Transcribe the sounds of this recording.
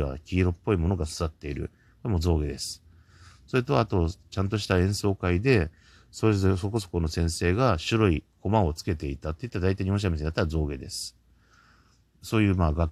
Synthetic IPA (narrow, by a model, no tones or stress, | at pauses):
βa̰kʲiːɾo̞pːo̞imo̞no̞ɡasɨɾat̪ːe̞iɾɯ̟̰ | koemo̞zo̞ːɡe̞d̪e̞sɨ̥ | so̞ɾet̪o̞aːt̪o̞t͡ɕãnt̪o̞ɕi̥t̪aẽ̞ɰ̃so̞ːkaid̪e̞ | soesoko̞so̞̥kono̞sẽ̞ɰ̃se̞ːɡaɕɨɾoiko̞mãot͡sɨ̥ke̞t̪e̞it̪at̪ːe̞it̪ːaad̪ait̪aiɲiõɕamʲiseɲd̪at̪ːaɾazo̞ːɡe̞d̪e̞sɨ̥ | so̞ːjɯ̟ːmaːɡa